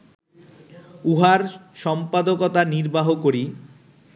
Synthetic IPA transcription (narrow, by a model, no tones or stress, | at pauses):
uɦaɾʃɔmpad̪okɔt̪aniɾbaɦokoɾi